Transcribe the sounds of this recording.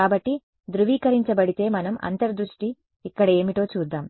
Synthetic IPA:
aːbɐʈːi | d̪ɾuʋiːkɐɾiɲt͡ʃɐbɐɽit̪e̞ːmɐnɐmɐ̰nt̪ɐɾd̪ɾuʂʈiː | kːɐɽɐe̞ːmiʈo̞ːt͡ʃuːd̪ːaːm

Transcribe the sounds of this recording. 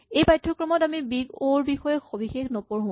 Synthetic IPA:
ejpajtʰːɔkɹɔmɔtamibiɡoɹbixɔjɛxobixexnɔpɔɹɦõ

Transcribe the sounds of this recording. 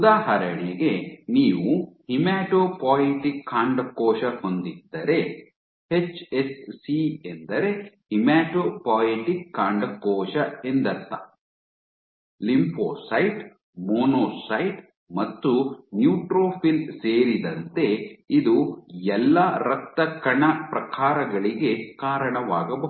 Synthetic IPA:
ud̪aːɦɐɾɐɳiɡe̞niːʋuhimaːʈoːpaːiʈikʰːaːɳɖkɔːʃɐhond̪id̪ːɐɾe̞ | het͡ʃesːiend̪ɐɾe̞himaːʈoːpaːjeʈikːaːɳɖɐkɔːʃɐend̪ɐt̪ːɐ | limpʰo̰ːsɐjʈ | moːnoːsɐjʈ | mɐt̪ːunjuːʈɾoːpʰilseːɾid̪ɐnt̪e̞id̪uɛlːɐɾɐk̚t̪ɐkɐɳɐpɾɐkʰaːɾɐɡɐɭiɡe̞kaːɾɐɳɐʋaːɡɐbɐ

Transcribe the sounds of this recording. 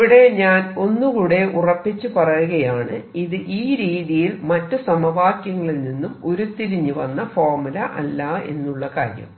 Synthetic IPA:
ʋiɽe̞ɲaːno̞nːukuːɽe̞ʔurɐpːit͡ɕːupɐrɐjuɣɐjaːɳɨiðɨʔiːɾiːðijilmɐtːɨsɐmɐʋaːkjɐŋːɐɭilninːumo̞ɾut̪iɾiɲːuʋɐnːɐfoːrmulɐʔɐ̰lːɐe̞̰nːuɭːɐka̰ːɾjɐ̰m

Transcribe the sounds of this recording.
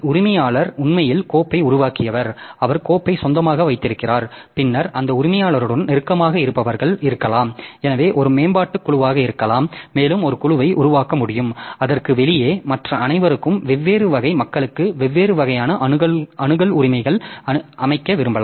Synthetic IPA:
ʊɾɪmɐjaːɭɐɾʊɳmɐjɪlkoːpːɐɪʊɾʊʋaːkɪjɐʋɐɾɐʋɐɾkoːpːɐɪsɔnd̪ɐmaːɣɐʋɐɪt̪ːɪɾɯkːɪraːɾ | pɪnːɐɾʔɐnd̪ɐʊɾɪmɐjaːɭɐɾɯɽɐnnɛɾɯkːɐmaːɣɐɪɾɯpːɐʋɐɾɣɐɭɪɾɯkːɐlaːmɛnɐʋeːʔɔɾɯmeːnbaːʈːɯkːʊɭʊʋaːɣɐɪɾɯkːɐlaːmːeːlɯmɔɾɯkʊɭʊʋɐɪʔʊ̰ɾʊʋaːkɐmʊɽɪjɯmɐðɐrkɯʋɛlɪjeːmɐʈrɐɐnɐɪʋɐɾɯkːɯmʋɛʋːeːɾɯʋɐɣɐɪmɐkːɐɭɯkːɯʋɛʋːeːɾɯʋɐɣɐjaːnɐʔɐɣɐɐnɯɣɐɭʊɾɪmɐɪɣɐɭɐʔɐmɐɪkːɐʋɪɾɯmbɐlaː

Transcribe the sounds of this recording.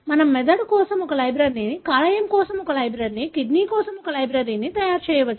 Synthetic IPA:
mɐnɐmːɛd̪ɐɽkɔːsɐmɔkɐlɐjbɾɐːɾininikaːlɐjemkɔːsɐmɔkɐlɐjbɾɐɾinikiɖniːkɔːsɐmɔkɐlɐjbɾeɾinit̪ɐjaːɾt͡ʃɛːjɐʋɐt͡ʃːu

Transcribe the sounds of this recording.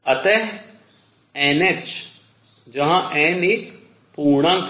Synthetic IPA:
ɐt̪ɛ | eːnet͡ʃ | d͡ʒɐɦãʔɛ̃ːnik | puːɽ̃ãk

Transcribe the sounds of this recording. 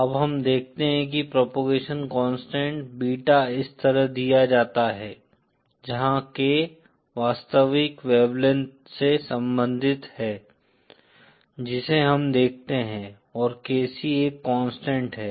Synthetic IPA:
ɐbɦɐmd̪eːk̚ʰt̪eɦɛ̃k̬ipɾɔːpoːɡeːʃənkɔ̃ːnsʈɛ̃ːɳʈbiːʈaɪst̪əɾəɦd̪ijad͡ʒaːt̪aɦɛː | d͡ʒɐɦãke | ʋaːst̪əʋɪkʋɛːblən | sesɐ̃mbə̃nd̪ʱɪt̪hɛː | d͡ʒɪseɦɐmd̪eːk̚ʰt̪eɦɛ̃ | ɔːɾkɛːsieːkːɔ̃ːnsʈɛ̃ːɳʈɦɛː

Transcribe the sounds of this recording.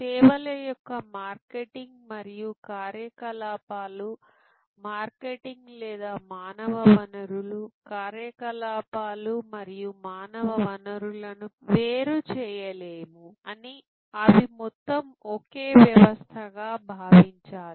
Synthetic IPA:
kɛːʋɐlɐjɔkːɐmaːɾkeʈiŋɡmɐɾijukaːɾjɐkɐlaːpaːlu | maːɾkeʈiŋɡlɛːd̪aːmaːnɐʋɐʋɐnɐɾulukaːɾjɐkɐlaːpaːlumɐɾijumaːnɐʋɐʋɐnɐɾulɐnuʋeːɾut͡ʃɛːjɐleːmuɐni | ɐʋimɔt̪ːɐmokeːʋjɐʋɐst̪ʰɐɡaːbʱaːʋiɲt͡ʃaːli

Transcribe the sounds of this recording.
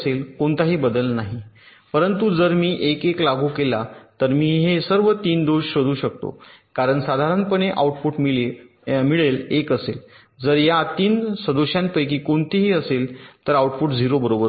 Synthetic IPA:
selkoɳt̪aɦiːbəd̪əlnaɦi | pəɾənt̪ud͡zəɾmiːʔekeklaɡʱuːkelat̪əɾmiːɦesəɾʋət̪iːnd̪oɕɕod̪ʱuːɕək̚t̪o̰kaɾəɳsad̪ʱaɾənpəɳeʔa̰uʈfuʈmile | miɭelekəsel | d͡zəɾjat̪iːnsə̃d̪uɕjãn̚pəjkiːkoɳt̪iɦiːəselt̪əɾauʈfuʈd͡ziɾobəɾobəɾ

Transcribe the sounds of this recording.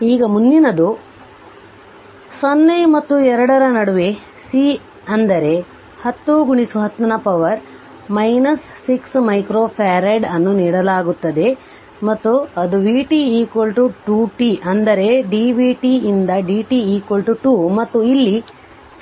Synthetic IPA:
iːɡɐmund̪inɐd̪u | sonːemɐt̪ːuɛɾɐɽɐɾɐnɐɽuʋe | si | ɐnd̪ɐɾe̞ | hɐt̪ːuɡuɳisuɦɐt̪ːɐnɐpɐʋɐɾ | mɐjnɐsːiksmɐjkɾoːpʰaːɾeɖɐnːuniːɽɐlaːɡut̪ːɐd̪e̞ | mɐt̪ːuɐd̪uʋiːʈiiːkʋɐlʈuʈuːʈiʔɐnd̪ɐɾe̞ɖiːʋiʈiind̪ɐɖiːʈiiːkʋɐlʈuʈuːmɐt̪ːuilːi

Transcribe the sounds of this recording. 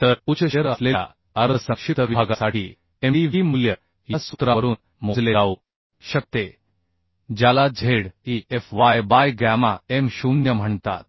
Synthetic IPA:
t̪əɾut͡ɕəɕəɾəslea̰ | əɾəsəkʂit̪əʋiaɡasaʈiː | eiʋimuljə | jjasut̪ɾaəɾuːn | mod͡zleau | ɕək̚t̪e | d͡ʑjalad͡zʱeɽiefʋajbajɡamaemɕunjəm̤əɳt̪a̰t̪̚

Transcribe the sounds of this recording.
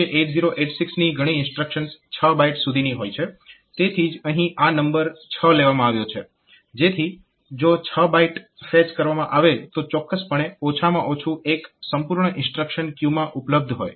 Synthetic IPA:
eʔeʈziɾoʔeʈsiksniɡʱəɽ̃iɪ̃nsʈɾəkʃənst͡ʃʰəbaiʈsud̪ʱiniɦojt͡ʃʰe | t̪et̪ʰid͡ʒəɦĩʔanəmbəɾt͡ʃʰəleʋamãaʋjot͡ʃʰe | d͡ʒet̪ʰi | d͡ʒot͡ʃʰəbaiʈfɛt͡ʃkəɾʋamãʔaʋet̪ot͡ʃɔkːəspəɳ̃eot͡ʃʰamã̰ʔot͡ʃʰueksəmpuɾɳəʔɪ̃nsʈɾəkʃənkjumãʔupləb̚d̪ʱɦo̰j

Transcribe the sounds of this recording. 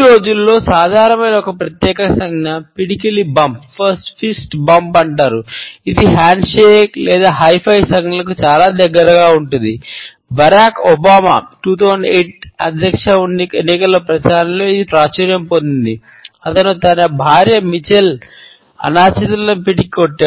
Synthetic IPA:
ɾo̞ːd͡ʒulːo̞ːsaːd̪ʱaːɾɐmɐjnɐɔkɐpɾɐt̪jɛːkɐsɐŋɡnɐpiɽikɐlibɐmppʰɐɾsʈpʰisʈbɐmpɐɳʈaːɾuid̪iɦaːɳɖʂeːklɛːd̪aːɦɐjpʰɐjsɐŋɡlɐkut͡ʃaːlaːd̪ɐɡːɐɾɐɡaːuɳʈund̪i | bɐɾaːkɔbaːma̰ːʈuːt̪ʰɐwzɐɳɖeːʈ̚ɐ̰d̪ʱjɐkʂɐunːienːikɐlːopɾɐt͡ʃaːɾɐmlo̞ːid̪ipɾaːt͡ʃɐɾjɐmpond̪und̪i | ɐt̪ɐnut̪ɐnɐbʱaːɾjɐmit͡ʃel | ɐ̰naːt͡ʃɐt̪ɐlɐlɐnpiɽikiɔʈːa

